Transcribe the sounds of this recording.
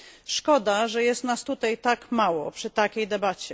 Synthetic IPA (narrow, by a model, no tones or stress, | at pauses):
ʂkɔd̪aʐɛjɛst̪nast̪ut̪ajt̪akmawɔpʂɘt̪akʲejd̪ɛbat͡ɕɛ